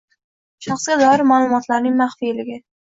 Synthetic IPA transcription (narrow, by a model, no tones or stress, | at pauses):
ʃɑχsɡʲad̪ɒɪɾmaːlˠʊmɒt̪laɾnɪŋmaχfilɪɡʲɪ